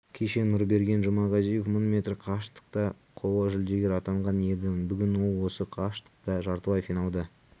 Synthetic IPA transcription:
kʲʰe̞ʃe̞nʊɾbe̞ɾɡʲe̞nʒʊmɑʁɑzijofmonmʲe̞t̪rqʰɑʃt̪ə̥q̚t̪ɑ | qʰo̞wˠɑʒɪld̪eɡʲeɾɑt̪ɑɴʁɑne̞d̪ɪmɪnbʏɡʲɪnwo̞lˠwo̞səqʰɑʃt̪ə̥q̚t̪ɑʒɑɾt̪əwɑjfinɑlˠd̪ə

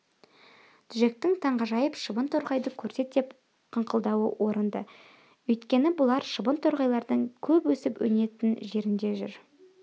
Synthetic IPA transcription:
t̪ʰʏʒe̞k̚t̪ɪŋt̪ʰɑɴʁɑʒɑjəpʃəbənt̪ʰoɾʁɑjd̪əkʲʰɵɾse̞t̪d̪e̞p | qʰəɴqʰəlˠd̪ɑwə̰wʔo̞ɾənd̪ə̰ | ɵjt̪kʲe̞nɪbʊlˠɑɾʃəbənt̪ʰoɾʁɑjlˠɑɾd̪əɴkʲʰɵpwɵsɪpwɵ̰ne̞t̪ɪnʒe̞ɾɪnd̪e̞ʒʏ̰ɾ

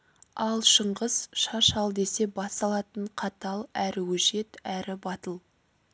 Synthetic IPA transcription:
ɑlˠʃəɴʁəz̥ʃɑʃɑlˠd̪e̞se̞bɑst̪ɑlˠɑt̪əɴqʰɑt̪ɑlˠæɾɪwɵʒe̞t̪æɾɪbɑt̪əlˠ

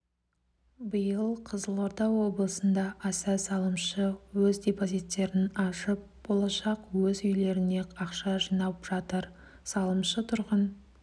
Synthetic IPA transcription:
bəjəlˠqʰəzəlˠo̞ɾt̪ɑwwo̞blˠəsənd̪ɑʔæsæsɑlˠəmʃəwɵzd̪ʲepo̞zit̪ːe̞ɾɪnɑʃəp̚b̥o̞lˠɑʃɑqwɵzʏjle̞ɾɪneɑqʃɑʒijnɑpʒ̥ɑt̪əɾ | sɑlˠəmʃət̪ʰʊɾʁən

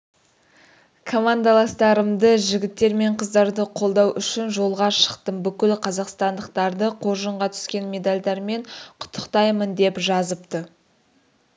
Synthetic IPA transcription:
kʰomand̪alˠɑst̪ɑɾəmd̪əʒɪɡʲɪt̪ːe̞ɾme̞ɴqʰəzd̪ɑɾd̪əqʰo̞lˠd̪ɑwʔʏʃɪnʒo̞lˠʁɑʃə̥qt̪əmbʏkʲɪlqʰɑzɑqst̪ɑnd̪əqt̪ɑɾd̪əqʰo̞ɾʒəɴʁɑt̪ʰʏ̥skʲe̞nme̞d̪alʲd̪ɑɾme̞ɴqʰʊ̥t̪ʰːə̥qt̪ɑjmənd̪e̞pʒɑzəp̚t̪ə

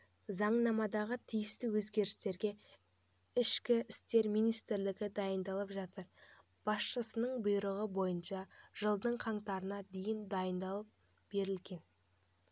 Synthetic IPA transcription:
zɑɴnɑmɑd̪ɑʁət̪ʰijɪst̪ɪwɵzɡʲe̞ɾɪst̪e̞ɾɡʲe̞ | ɪʃkʲɪɪst̪e̞ɾmijnijst̪ɪɾlɪɡʲɪd̪ɑjənd̪ɑlˠəpʒɑt̪əɾ | b̥ɑsʃəsənəɴbʊjɾəʁəbo̞jənʃɑʒ̥əlˠd̪əɴqʰɑɴt̪ɑɾənɑd̪e̞jɪnd̪ɑjənd̪ɑlˠəp̚ | b̥e̞ɾɪlɡʲe̞n

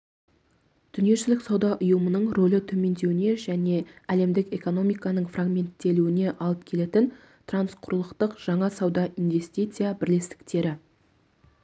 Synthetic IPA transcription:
d̪̥ʏnije̞ʃɪlɪksɑwd̪ɑʔʊjəmənəɴro̞lɪt̪ʰɵme̞nd̪e̞wɪne̞ʒæne̞æle̞md̪ɪke̞ko̞no̞mijkɑnəɴfraɡmʲe̞nt̪ːe̞luɪne̞ʔɑlˠəpkʲʰe̞le̞t̪ɪn | t̪ransqʰʊɾlˠəqt̪əqʒ̥ɑɴɑsɑwd̪ɑʔinve̞st̪ijt̪sɨjabɪɾlest̪ɪ̥kt̪e̞ɾɪ

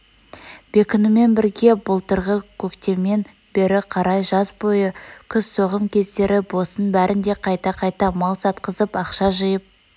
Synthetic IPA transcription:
b̥e̞kʲɪnume̞nbɪɾɡʲe̞bʊlˠt̪əɾʁəkʲʰɵkt̪e̞me̞n | b̥e̞ɾɪqʰɑɾɑjʒɑzbo̞jəkʲʰʏzsoʁəmkʲʰe̞zd̪e̞ɾɪbo̞sənbæɾʔɪnd̪e̞qʰɑjt̪ɑqʰɑjt̪ɑmɑlˠsɑt̪qəzəpɑqʃɑʒəjəp̚

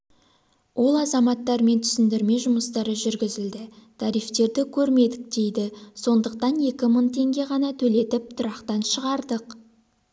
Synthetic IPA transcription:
wʔo̞lˠɑzɑmɑt̪ːɑɾme̞nt̪ʰʏ̥sɪnd̪ɪɾme̞ʒʊməst̪ɑɾəʒʏɾɡʲɪzɪld̪ɪt̪ʰɑɾijft̪e̞ɾd̪ɪkʲʰɵɾme̞d̪ɪk̚d̪̥e̞jd̪ɪso̞nd̪əq̚t̪ɑnje̞kʲɪmənt̪ʰe̞ŋɡʲe̞ʁɑnɑt̪ʰɵle̞t̪ɪp̚t̪ʰʊɾɑqt̪ɑnʃəʁɑɾd̪əq

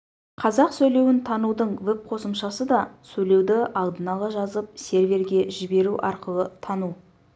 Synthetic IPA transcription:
qʰɑzɑqsɵjle̞wɪnt̪ʰɑnud̪əɴvɵp̚qʰo̞səmʃɑsəd̪ɑsɵjle̞wd̪ɪʔɑlˠd̪ənɑlˠɑʒɑzəp̚se̞ɾvʲe̞ɾɡʲe̞ʒɪbe̞ɾuʔɑɾqəlˠət̪ʰɑnu

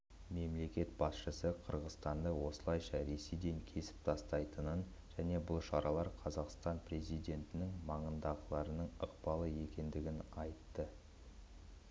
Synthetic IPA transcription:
me̞mle̞kʲe̞t̪̚bɑsʃəsəqʰəɾʁəzt̪ɑnd̪əwo̞səlˠɑjʃɑɾe̞se̞jd̪e̞ŋkʲʰe̞sɪ̥p̚t̪ʰɑst̪ɑjt̪ənən | ʒ̥æne̞bʊlˠʃɑɾɑlˠɑɾqʰɑzɑqst̪ɑnpre̞zijd̪ʲe̞nt̪ɪnɪŋmɑɴənd̪ɑʁəlˠɑɾənəɴəqbɑlˠəje̞kʲe̞nd̪ɪɡʲɪnɑjt̪ːə

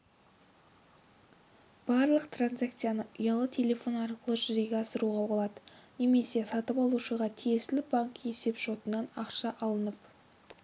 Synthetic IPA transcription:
b̥ɑɾlˠəqt̪ranzak̚t̪sɨjanəʔəjɑlˠət̪ʰe̞lʲe̞fo̞nɑɾqəlˠəʒʏzejɡʲeɑsəɾuʁɑbo̞lˠɑd̪əne̞me̞se̞sɑt̪əpɑlˠuʃəʁɑt̪ʰije̞sɪlɪbaŋkje̞se̞pʒo̞t̪ənɑnɑqʃɑʔɑlˠənəp

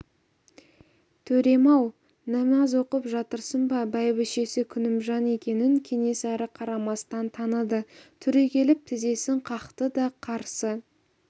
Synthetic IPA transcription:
t̪ʰɵɾe̞mɑw | næmɑzwo̞qəpʒɑt̪əɾsənbɑbæjbɪʃe̞sɪkʲʰʏnɪmʒɑne̞kʲe̞nɪŋkʲʰe̞ŋe̞sæɾɪqʰɑɾɑmɑst̪ɑnt̪ʰɑnəd̪ət̪ʰʏɾe̞kʲʰe̞lɪp̚t̪ʰɪze̞sɪɴqʰɑqt̪əd̪ɑqʰɑɾsə

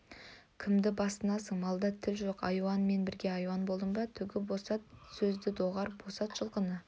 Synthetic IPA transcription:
kʲʰɪmd̪ɪbɑst̪ənɑsəɴmɑlˠd̪ɑt̪ʰɪlʒo̞qɑ̰jwɑnme̞nbɪɾɡʲe̞ɑjwɑnbo̞lˠd̪əmbɑt̪ʰʏɡʲɪbo̞sɑt̪̚sɵzd̪ɪd̪o̞ʁɑɾbo̞sɑt̪ʃəlˠqənə

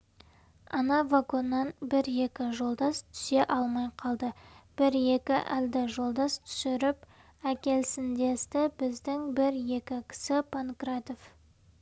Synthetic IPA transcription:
ɑnɑvaɡo̞nːɑnbɪɾje̞kʲɪʒo̞lˠd̪ɑst̪ʰʏ̥se̞ʔɑlˠmɑjqʰɑlˠd̪əb̥ɪɾje̞kʲɪʔæld̪ɪʒo̞lˠd̪ɑst̪ʰʏ̥sɪɾɪp | ækʲe̞lsɪnd̪e̞st̪ɪbɪzd̪ɪŋbɪɾje̞kʲɪkʲʰɪ̥sɪpʰankrat̪o̞f

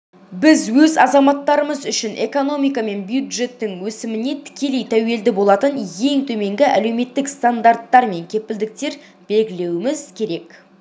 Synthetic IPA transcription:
bɪzwɵzɑzɑmɑt̪ːɑɾəməzʏʃɪnʔe̞ko̞no̞mijkɑme̞nbjud̪ʒe̞t̪ːɪŋwɵsɪmɪne̞t̪ʰɪ̥kʲe̞lejt̪ʰæwe̞ld̪ɪbolˠɑt̪ənje̞ŋt̪ʰɵme̞ŋɡʲɪʔæ̰le̞wme̞t̪ːɪkst̪and̪art̪ːɑɾme̞ŋkʲʰe̞pɪld̪ɪk̚t̪e̞ɾ | b̥e̞lɡʲɪle̞wɪmɪzkʲʰe̞ɾe̞k

